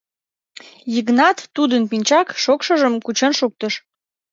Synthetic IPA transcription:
jəɣnɑt̪ːud̪ənpinʲt͡ɕɑkʃokʃəʒəmkut͡ɕənʃuk̚t̪əʃ

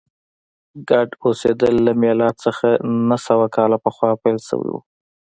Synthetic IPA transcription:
ɡaɖosed̪əlːamjɑlɑt̪səxanasawakɑlapəxwɑpajlsə̰wḭwṵ

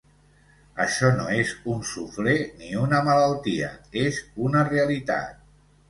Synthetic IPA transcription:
əʃɔno̰ezunsufleniunəmələlˠt̪iə̰ezunəreəlit̪a̰t̪̚

